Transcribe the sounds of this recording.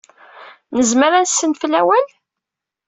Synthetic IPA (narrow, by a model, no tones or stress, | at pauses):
nəzməɾænsənfəlæwæl